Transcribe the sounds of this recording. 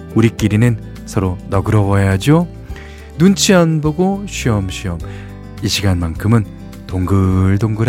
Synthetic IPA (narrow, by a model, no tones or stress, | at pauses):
uɾik͈iɾinɯn | sʰʌɾonʌɡɯɾʌwʌjad͡ʑo | nunt͡ɕʰianboɡoɕʰɥiʌmɕʰiʌm | iɕʰiɡanmankʰɯmɯn | toŋɡɯɭdoŋɡɯɾ